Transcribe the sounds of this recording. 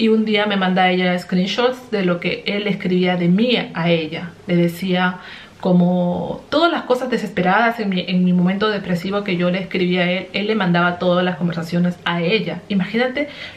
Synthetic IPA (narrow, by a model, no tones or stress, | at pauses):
iund̪iame̞mãnd̪aeʝaeskɾinʃot̪sd̪e̞lo̞ke̞elːeskɾiβiaðe̞miae̞ʎale̞ðe̞sia | ko̞mo̞t̪o̞ðalasko̞sazðese̞spe̞ɾaðase̞ŋmiʔeŋmimoment̪o̞ðe̞pɾe̞siβo̞ke̞ʝo̞le̞ːskɾiβiae̞le̞lːe̞mãnd̪aβat̪o̞ðazlasko̞mbe̞ɾsasjo̞ne̞sae̞ʎaimaxinat̪e̞